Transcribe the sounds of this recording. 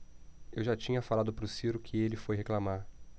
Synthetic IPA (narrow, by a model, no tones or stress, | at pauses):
ewʒat͡ʃĩɲɐfalad̪ʊpɾʊsiɾʊkʰɪelɪfojɦeklamaɾ